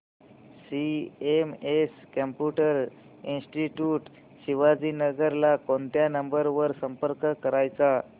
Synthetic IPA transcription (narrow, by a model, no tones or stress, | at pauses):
siemeskəmpjuʈəɾ | insʈiʈjuʈ | ɕiʋad͡ziːnəɡəɾlakont̪janəmbəɾʋəɾsəmpəɾkkəɾajt͡sa